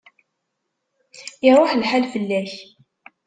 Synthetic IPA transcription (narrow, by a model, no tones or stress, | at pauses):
jɪɾˤʊħlħalfəlːæç